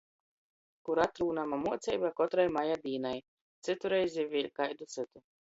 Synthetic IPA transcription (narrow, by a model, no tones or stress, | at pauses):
kuɾat̪ɾuːnamamuɔt̪sɛ̰jbakɔt̪ɾajmajad̪iːnaj | t̪sɨt̪uɾɛjzʲivʲiɛlʲkajd̪ut̪sɨt̪u